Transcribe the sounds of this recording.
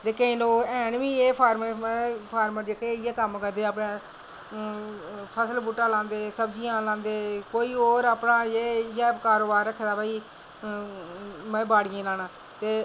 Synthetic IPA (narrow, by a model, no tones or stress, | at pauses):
d̪eːkeːnõːɛːnʋĩːeːpʰaːɾməɾpʰaːɾməɾd͡ʒeːkeːɪjaːkəmkəɾd̪eːaːpɳãː | pʰəsəlbuːʈːãːlãːnd̪eːsəbd͡ʒijãːlãːnd̪eːkoːiːoːɾaːpnãːeːɪjaːkaːɾoːbaːɾəkʰːd̪aːbaːiː | mɛ̃ːbaːɽɪjẽːlaːnãː | t̪eː